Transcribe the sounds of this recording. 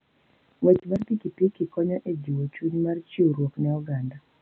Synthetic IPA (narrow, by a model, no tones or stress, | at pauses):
wɛt͡ʃmarpikipikikɔɲɔʔed͡ʒiwot͡ʃuɲmart͡ʃoɾwoknɛɔɡanda